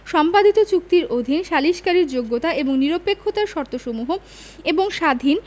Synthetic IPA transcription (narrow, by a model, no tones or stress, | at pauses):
ʃɔmpad̪ʱit̪ot͡ɕuk̚t̪iɾod̪ʱinʃaliʃkaɾiɾd͡ʑoɡːot̪aeboŋniɾopekʰːot̪aɾʃɔɾt̪oʃomuɦo | eboŋʃad̪ʱin